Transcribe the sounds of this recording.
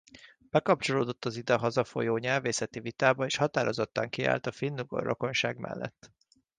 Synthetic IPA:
b̥ɛkɒp̚t͡ʃo̞loːd̪o̞t̪ːɒzid̪ɛɦɒzɒfo̞̰joːɲɛlveːsɛt̪ivit̪aːbɒeːʃhɒt̪aːɾʔo̞zot̪ːɒŋkia̰ːlt̪ɒfinːuɡo̰roko̞nʃaːɡmɛ̰lːɛ̰t̪ː

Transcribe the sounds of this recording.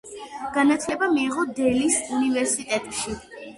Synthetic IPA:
ɡ̥anat̪ʰlɛbamiːʁɔd̪ɛlisunivɛɾsit̪ʼɛt̪ʼʃi

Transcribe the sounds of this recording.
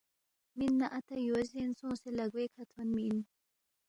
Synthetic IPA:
minːaʔɐt̪ɐjozensõːselɐɡwekʰɐt̪ʰonmin

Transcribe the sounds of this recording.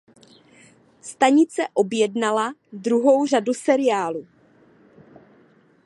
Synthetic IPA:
st̪aɲɪt͡sɛʔo̞bjɛdnalad̪ɾuɦo̞wr̝adusɛɾɪjaːlu

